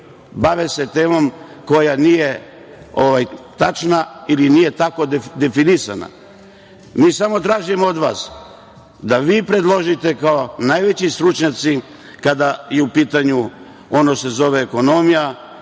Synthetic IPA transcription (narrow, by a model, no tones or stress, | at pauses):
baʋese̞t̪e̞ːmomko̞janije̞ | oʋajt̪at͡ʃnailinije̞t̪ako̞d̪e̞finisa̰na̰ | miːsamo̞t̪ɾaːʒijmood̪ʋaːs | d̪aʋiːpɾe̞d̪lˠo̞ʒit̪e̞kaonajʋe̞t͡ɕist̪ɾut͡ʃɲat̪si | kad̪ajeupiːt̪aɲu | o̞nose̞zo̞ʋeːko̞no̞mija